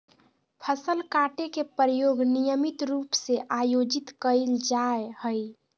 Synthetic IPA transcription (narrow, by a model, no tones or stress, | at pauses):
pʰəsəlkaʈekepəɾjoɡnijəmit̪ɾupseʔajod͡ʒit̪kəɪld͡ʒaehəj